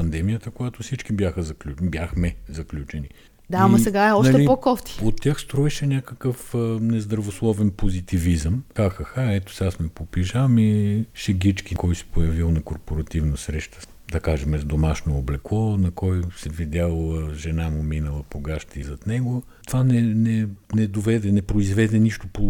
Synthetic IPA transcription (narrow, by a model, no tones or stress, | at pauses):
pɐnd̪ɛmijət̪əkojat̪ʊfsit͡ʃkibjaxəzɐklʲubjaxmɛzɐklʲut͡ʃɛni | d̪amɐssɛɡaɛɔʃnɐlt̪iɛpɔkɔft̪i̥ot̪ʲːaxst̪ɾɔɛʃɛnʲakəkəfənɛzd̪ɾɐvoslˠɔvɛnpozit̪ivizəmxaxɐxaɛt̪o̥sɛasmɛpopiʒamiʃɛɡit͡ʃkikɔjsɛ̥pojɐvilˠnɐkoɾpoɾɐt̪ivnɐsɾɛʃt̪ə̥ | d̪ɐkaʒɛmɛzd̪omaʃnoːblɛklˠɔnɐkɔjsɛvid̪ʲjalˠʒɛnamʊminəlˠəpoɡaʃt̪izɐt̪nɛɡo | t̪ovanɛnɛnɛd̪ovɛd̪ɛnɛpɾoizvɛd̪ɛniʃt̪ʊpo